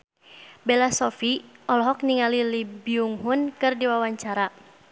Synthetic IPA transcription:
bɛlasɔfiɔlɔɦɔk̚niŋalilibiuŋɦunkɨrdiwawaɲt͡ʃaɾa

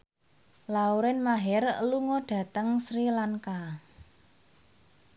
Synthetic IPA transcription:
lauɾɪnmaɦɛrluŋɔɖ̥ä̤t̪əŋsɾilaŋka

